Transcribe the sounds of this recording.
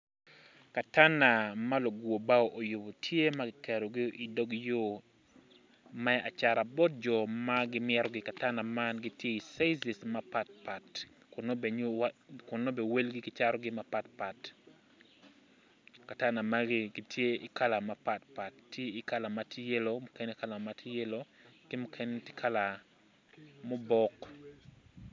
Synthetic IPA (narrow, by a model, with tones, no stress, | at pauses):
ka˨ta˦na˨ma˦lo˨ɡwo˨ba˦oʔo˨jʊ˨bo˨tʰje˦ma˦ɡɪkʰɛ˨ɾɔ˨ɡɪ˦ʔɪ˨do˦ɡjo˨ | mɛa˨t͡ʃa˨ɾa˨bɔ˦t̚d͡ʒɔ˨maɡɪ˦mɪɛ˦ɾɔɡɪka˨ta˦na˨ma˦nɡɪ˦tje˦i˨sa˦zi˨sma˦pa˨t̚pa˨t | kʊ˨nb | kʊ˨nːo˦be˨we˦lɡɪ˦ɡɪ˦t͡ʃaɾɔɡɪmapa˨t̚pa˨t | ka˨ta˦na˨maɡɪɡɪ˦tʰje˦ḭ˨ka˦la˨mapa˨t̚pa˨tːʰje˦i˨ka˦la˨matʰi˦je˦lomo˨ke˦ne˦ka˦la˨matʰi˦je˦lo˦kɪ˦mokʰenti̥kʰa˦la˨ | mo˦bɔ˦k